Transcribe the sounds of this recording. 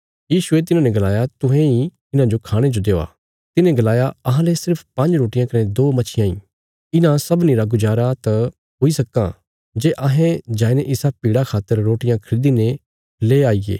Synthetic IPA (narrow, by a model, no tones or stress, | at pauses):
jiːsʊet̪̬ɪnãːnɛ̃ɡɐlaːjat̪ʊ̃ɦẽi | ɪnãd͡ʒokʰaːɽ̃ed͡ʒod̪eːoa̰ː | t̪ɪnẽɡɐlaːjaɐɦãlesɪɾpʰpɐ̃ɲd͡ʒɾoːʈɪjãkɐnẽd̪oːmɐt͡ʃʰɪjãḭ̃ː | ɪnãsɐbniɾaɡʊd͡ʒaːɾat̪ɐ | ɦoːisɐkːã̰ | d͡ʒeːʔɐɦẽd͡ʒaːineʔɪsapiːɽakʰaːt̪ːəɾːoːʈɪjãkʰɐɾɪd̪ine | leːaːiḛː